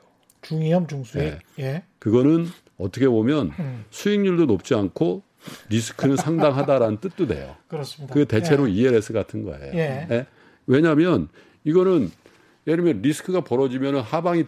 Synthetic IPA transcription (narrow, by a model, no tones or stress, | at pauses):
t͡ɕuŋiʌmt͡ɕuŋsʰjejkɯɡʌnɯn | ʌt͈ʰʌkʰe̞bomjʌnsʰuiŋɲuɭdonop̚t͡ɕ͈iankʰo | ɾisʰɯ̥kʰɯnɯnsʰaŋdaŋɦadaɾanɯnt͈ɯt̚t͈ude̞̰jo̰kɯɾʌsdkɯɡe̞te̞t͡ɕʰe̞ɾoieɾesʰɯɡatʰɯnɡʌ̰ḛjoje | we̞ɲamjʌn | iɡʌnɯn | jeɾɯmjʌnɾisʰɯ̥kʰɯɡapʌɾʌd͡ʑimjʌnɯnhabaŋi